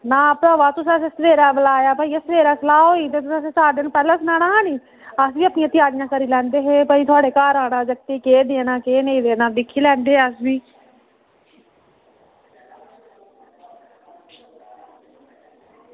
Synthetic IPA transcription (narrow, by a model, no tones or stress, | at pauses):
nãːpɽaːʋaːt̪ʊsaːsesəʋeːɾaːbəlaːjaːpaːiːesʋeːɾaːsəlaːɦoːiːt̪̬eːt̪ʊsɛseːsaːɾd̪ɪnpɛːlãːsnaːnaːɦãːniː | əsʋiːəpnĩjãːt̪jaːd͡ʒɪjãːkəɾiːlɛ̃ːnd̪eːɦeːpəiːt̪ʰʊaːɽeːkaːɾaːnãːd͡ʒəkt̪eːkeːd̪eːnaːkeːnəĩːd̪eːnãːd̪ɪkʰːiːlɛ̃ːnd̪eːɦeəsbiː